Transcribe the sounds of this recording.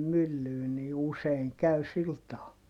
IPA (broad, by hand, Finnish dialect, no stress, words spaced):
mylːyː ni useiŋ kæy sil tɑː